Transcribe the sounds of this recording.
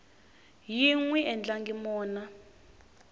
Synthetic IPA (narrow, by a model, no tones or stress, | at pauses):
jiŋwɛʔɛnd͡ɮaŋɡimɔːna